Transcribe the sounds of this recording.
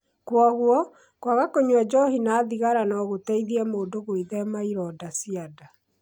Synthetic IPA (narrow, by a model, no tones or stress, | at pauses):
kwaɣwɔ | kwaɣakoɲwad͡ʒɔhinaːðiɣaɾanɔɣotɛiðiɛmoːndoɣoiðɛmaiɾɔːdasiada